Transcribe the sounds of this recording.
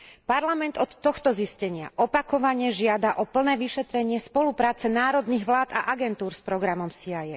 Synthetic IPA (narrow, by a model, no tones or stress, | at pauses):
paɾlamɛnd̪ɔt̪ːɔxt̪ɔziscɛɲɪa̰ʔɔpakɔʋaɲɛʒɪad̪aʔɔpl̩nɛːʋiʃɛt̪ɾɛɲɪɛspɔlupɾaːt͡sɛnaːɾɔd̪niɣʋlaːd̪a̰ʔaɡɛnt̪uːɾspɾɔɡɾamɔmsiajɛ